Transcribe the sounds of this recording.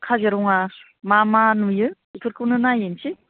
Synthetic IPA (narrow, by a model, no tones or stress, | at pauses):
kʰazaɾuŋa | mamanujɯ | ikʰɯɾkʰɯwnɯnajensi